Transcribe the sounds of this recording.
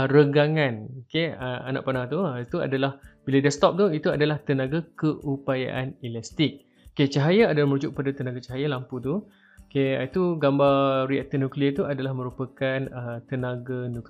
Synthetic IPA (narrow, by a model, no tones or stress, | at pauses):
ɾəɡaŋanokeəa̰na̰ʔpanat̪ut̪ua̰dalahb̥iladast̪ɔp̚t̪uit̪uadalaht̪ənaɡakəʔupaja̰ʔanilast̪ɪk̚ | ket͡ʃaɦajaadalahməɾud͡ʒuk̚padat̪ənaɡat͡ʃaɦajalamput̪̬u | okeit̪uɡambaɾiaʔt̪ənukliət̪uadalahmə̃ɾupakanət̪ənaɡanuk